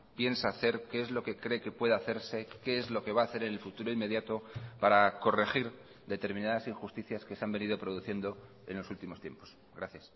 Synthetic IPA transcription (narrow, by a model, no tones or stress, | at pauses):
pje̞nsaːθe̞ɾke̞ezlo̞ke̞kɾe̞ke̞pwe̞ðaθe̞ɾse̞keezlo̞ke̞β̞aːθe̞ɾe̞nelfut̪uɾo̞ime̞ðjat̪o̞paɾako̞re̞xiɾ | d̪e̞t̪e̞ɾmĩnaðasiŋxust̪iθjaske̞seambe̞nið̞o̞pɾo̞ðuθje̞nd̪o̞ | e̞̰nlo̞sult̪imo̞st̪je̞̰mpo̞̥s | ɡɾaθjas